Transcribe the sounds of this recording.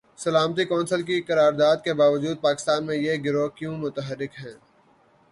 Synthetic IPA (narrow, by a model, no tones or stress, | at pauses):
sɐlaːmt̪̬ikɔːnsəlk̬ikɐɾaːɾd̪aːd̪̚kebaːʋəd͡ʒuːd̪̚paːkɪst̪aːnmẽjeɡɪɾokjũmʊt̪əɦəɾːɪkɦɛ̃ː